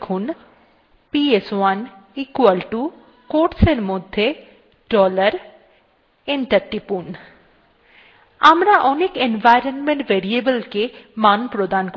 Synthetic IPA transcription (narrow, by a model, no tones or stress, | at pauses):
kʰun | pieswanikwalʈu | koʈseɾmod̪ʱːe | ɖɔləɾ | eɳʈəɾʈːipun | a̰mɾaʔɔnekenʋajɾənmẽɳʈʋeɾiebəlkemanpɾod̪ank